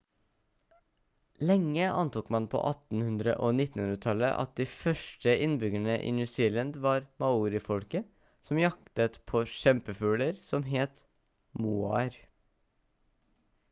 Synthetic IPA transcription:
lɛŋːəʔɑ̰nt̪uːkmɑnpʰo̰ːʔɑt̪n̩hʉnd̪ɾə̰ʔonɪt̪n̩hʉnɾət̪ʰɑlə̰ʔɑ̰t̪̚d̪iːfœʂʈəʔɪnbʏɡæɳəʔḭːnʉːsiːlɑnd̪ʋɑːɾmɑuːɾɪfɔlkə | sɔmjɑkt̪ət̪pʰoːʃɛmpəfʉːləɾsɔmɦeːt̪ | muːɑɾ

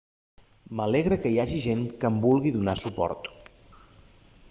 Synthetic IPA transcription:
məlɛɣɾəkəiaʒiʒeŋkəmbulˠɣiðunasupɔ̰ɾt̪

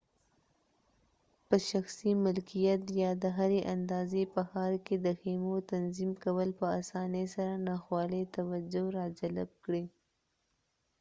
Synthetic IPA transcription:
pəʃaxsimɪlkijat̪jɑd̪əɦaɾeʔand̪ɑzepəxɑɾked̪əxemot̪anzimkawəlpəasɑnesaɾanɑxwɑlet̪awad͡ʒoɾɑd͡ʒalab̚kɽi

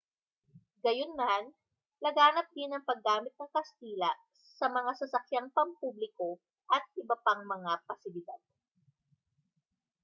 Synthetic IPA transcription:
ɡɐjonman | lɐɡaːnɐp̚d̪ɪnɐŋpɐɡːaːmɪt̪̚nɐŋkɐst̪iːlɐ | sɐmɐŋasɐsɐkjaŋpɐŋpublɪko̞ | ʔɐt̪̚ʔɪbɐpaŋmɐŋapɐsɪlɪd̪ad̪̚

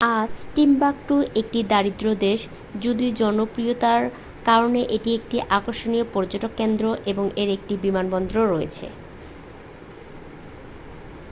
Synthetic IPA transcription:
asʈimbak̚ʈuʔek̚ʈid̪aɾid̪ɾod̪eʃ | d͡ʑud̪id͡ʑɔnopɾiot̪aɾ | kaɾoneʔeʈiek̚ʈiʔakoɾʃoniopɔɾd͡ʑoʈokːend̪ɾoʔeboŋeɾek̚ʈibimanbɔnd̪ɾoɾɔet͡ɕʰḛ

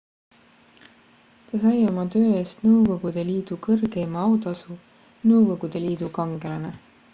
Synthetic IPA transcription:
t̪ɑsɑjo̞mɑt̪øːe̞ːst̪nɤwko̞ɡ̥ud̪̥e̞liːd̪̥ukɤrɡ̥e̞mɑɑwt̪ɑsu | nɤwko̞ɡ̥ud̪̥e̞liːd̪̥ukɑŋɡ̥e̞lɑne

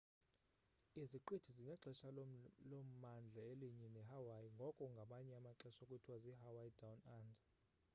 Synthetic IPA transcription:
iziǃed̥ʰʱiziɲaǁɛʃalom̩mand͡ɮʱaeliɲɛnɛɦawajiŋɡʱɔkʼɔŋɡʱamaɲɛamaǁɛʃokʼutʰwaziɦawajdawnaːnd

